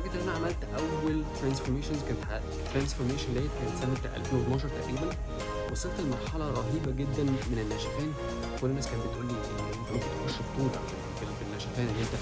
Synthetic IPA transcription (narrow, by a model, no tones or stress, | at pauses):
æɡet̪ʔænæʕamælt̪ʔæwːælt̪ɾænsfoɾmeːʃonzkænet̪ħa | t̪ːɾænsfoɾmeːʃænlæːet̪̚kænet̪sæmːet̪æʔæ̰lfeːnwet̪nɑːʃ̬ɑɾˤt̪æʔɾiːbæn | wesˤelt̪elmɑɾˤħɑlɑɾˤɑɦiːbæɡed̪ːænmenenːæʃæfæːn | kolːenːæːskæːnt̚bet̪ʔuːlːiʔenːet̪æmenket̪exoʃːbt̪ˤːuːt̪ˤʕalælbelfenːæʃæfæːnʔelːhent̪æ